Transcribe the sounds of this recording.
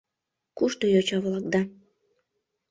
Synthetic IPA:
kuʃt̪ojot͡ɕɑβlˠɑk̚d̪ɑ

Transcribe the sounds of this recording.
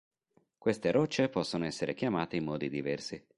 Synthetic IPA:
kwest̪eɾɔt͡ʃːepɔsːonoɛsːeɾʔek̟jamaːt̪eimːɔːd̪id̪ivɛrsi

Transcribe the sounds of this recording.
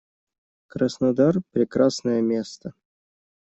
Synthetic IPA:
kɾəsnad̪arpɾʲɪkrasnəjəmʲest̪ə

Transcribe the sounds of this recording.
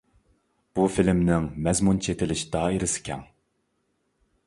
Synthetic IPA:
b̥ufilmnɪŋmɛzmunt͡ʃʰet̪ʰɪlɪʃd̪̥ɑːɪɾɪsɪ̥kʲʰɛ̰ŋ

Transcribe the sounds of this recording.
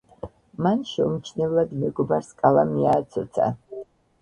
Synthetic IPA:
manʃɛumt͡ʃʰnɛvlad̪mɛɡɔbaɾskʼalamiaːt̪sʰɔt̪sʰa̰

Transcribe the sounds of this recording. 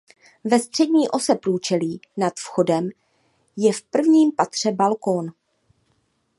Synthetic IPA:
vɛst̪r̥ɛdɲiːʔo̞sɛpɾuːt͡ʃɛliːnat̪fxo̞dɛm | jɛfpr̩vɲiːmpat̪r̝̥ɛbalkon

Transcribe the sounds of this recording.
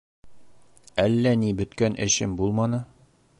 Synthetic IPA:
ælːænibɵ̆t̪kænʔɘ̰̆ɕɘmbulˠmɑnɤ

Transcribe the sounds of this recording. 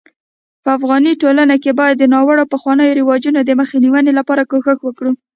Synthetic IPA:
pəafɣɑniʈolanakebɑjad̪ːənɑwəɽawpəxwɑnəjoɾɪwɑd͡ʒunod̪əməxeniwənelapɑɾakoxəxwəkɽu

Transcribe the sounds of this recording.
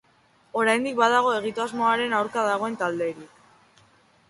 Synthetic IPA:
o̞ɾajnd̪ik̚baðaɣ̞o̞e̞ɣ̞it̪uazmoaɾe̞nawɾkaðaɣ̞o̞e̞nt̪ald̪e̞ːɾi

